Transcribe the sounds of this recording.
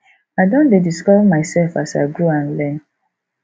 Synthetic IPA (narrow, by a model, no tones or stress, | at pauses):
aɪdõndediskɔvmaɪsɛlfasaɪɡoãnlɛ̃n